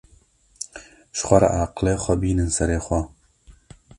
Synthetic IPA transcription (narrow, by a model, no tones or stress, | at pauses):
ʃxʷɐɾa̰ʔaːqleːxʷɐbiːnɨnsɛɾeːxʷɐ